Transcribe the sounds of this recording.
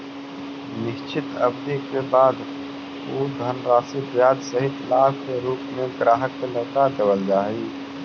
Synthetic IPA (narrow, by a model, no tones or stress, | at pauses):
nɪʃt͡ʃʰɪt̪ə̰bd̪ikebaːd̪ | uːd̪ʱənɾaːsibjaːd̪səɦit̪laːbkeɾuːpmẽɡɾaːɦəkːeləɡt̪ad̪əwəld͡ʒaːiː